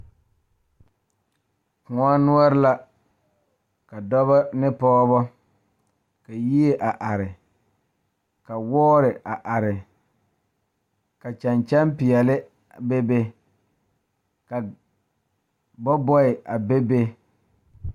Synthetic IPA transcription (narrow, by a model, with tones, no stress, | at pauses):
kʊ̃˨a˦nu˦ɔ˦ɾɪ˦la˦ | ka˨dɔ˦βɔ˦nɪ˦pɔː˦βɔ˦ | ka˨ji˦e˦ʔa˨ʔa˨ɾɪ˨ | ka˨wɔː˦ɾɪ˨a˨ʔa˨ɾɪ˨ | ka˨t͡ʃa˨nt͡ʃa˦mpɪ˨ɛ˨lɪ˦ | be˦be˦ | ka˨ | bɔ˦bɔ˦ɪ˨ʔa˨be˦be˦